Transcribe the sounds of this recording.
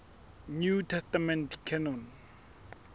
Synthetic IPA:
ɲutʰɛstamɛ̃ntkʰɛnon

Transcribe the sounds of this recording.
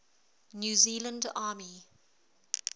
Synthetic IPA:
njuːziːlə̃ndaːmi

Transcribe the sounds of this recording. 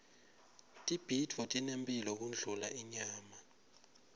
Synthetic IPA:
tʼib̥ʱidʱvɔtʼinempʼilɔk̬und͡ɮʱulaʔiɲaːma

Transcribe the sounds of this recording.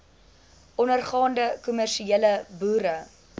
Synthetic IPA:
ʔɔnərχɑːndəkɔmærʃieːləbuːɾə

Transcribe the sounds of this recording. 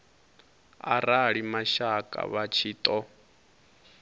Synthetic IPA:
a̰ɾaɺimaʃakʼa̰βat͡ʃʰiːt̪ʼɔ

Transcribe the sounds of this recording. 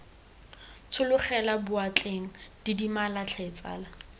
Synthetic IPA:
t͡sʰʊlʊχɛlabʊat͡ɬʼeŋ̩d̥idimalat͡ɬʰɛt͡sʼa̰ːla

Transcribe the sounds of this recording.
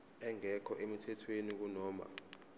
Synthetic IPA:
ɛŋɛkʰɔʔemitʰɛtʰwenik̬unɔːma̰

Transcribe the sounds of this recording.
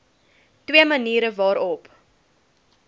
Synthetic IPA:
twiəməniːɾəvɑːɾɔp

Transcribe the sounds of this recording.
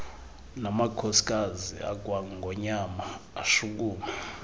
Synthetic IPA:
namakʰɔsi̥k̬ʼazḭa̰k̬waŋɡʱɔɲamaːʃuk̬uːma

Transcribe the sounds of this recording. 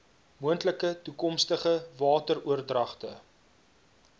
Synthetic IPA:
muəntləkətukɔmstəχəvɑːtəruərdrɐχtə̰

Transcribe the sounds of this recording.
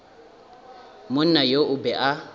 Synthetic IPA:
mʊn̩najoʔʊbɛʔa

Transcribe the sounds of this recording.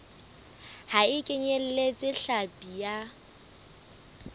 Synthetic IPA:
haɪkʼɪɲel̩let͡sʼɪɬapʼija

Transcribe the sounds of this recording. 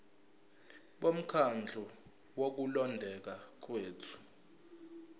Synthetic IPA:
ɓom̩kʰand͡ɮʱu | wok̬ulɔndʱɛk̬ak̬weːtʰu̥

